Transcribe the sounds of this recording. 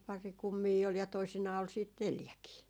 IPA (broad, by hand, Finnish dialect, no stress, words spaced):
pɑri kumːiː ol jɑ toisinɑː ol siːt neljækiː